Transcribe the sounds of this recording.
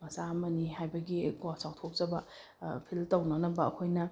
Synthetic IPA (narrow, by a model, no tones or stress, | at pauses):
mɐsamɐnihajbɐɡiɡɔsaw̚tʰok̚zɐbɐ | pʰiltɐwnɐnɐbɐɐ̰kʰojnɐ